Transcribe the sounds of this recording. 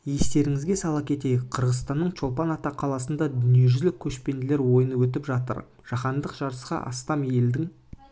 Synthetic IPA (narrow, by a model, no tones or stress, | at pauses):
je̞st̪e̞ɾɪŋɪzɡʲe̞sɑlˠɑp̚kʲʰe̞t̪e̞jɪk̚qʰəɾʁəzst̪ɑnːəɴt͡ʃʰo̞lˠpɑnɑt̪ɑqʰːɑlˠɑsənd̪ɑd̪ʏnije̞ʒʏzlɪkʲʰːɵʃpe̞nd̪ɪle̞ɾwo̞jənəwɵt̪̬ɪpʒɑt̪ə̰ɾ | ʒ̥ɑχɑnd̪əqʒ̥ɑɾəsqɑ̰ʔɑ̰st̪ɑmje̞ld̪ɪŋ